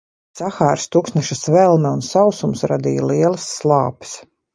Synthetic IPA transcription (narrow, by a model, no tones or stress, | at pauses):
saxaːɾst̪uksnɛʃasvɛlˠmɛunsawsumsɾad̪ḭjalˠiɛlˠɨsːlˠɑːpɪ̥s